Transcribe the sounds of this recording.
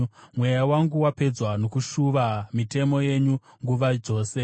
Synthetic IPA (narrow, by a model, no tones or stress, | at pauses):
mwejawaŋɡuwape̞d͡zwano̞kuʃuʋamite̞mo̞je̞ɲuŋɡuʋad͡ʒo̞ːse̞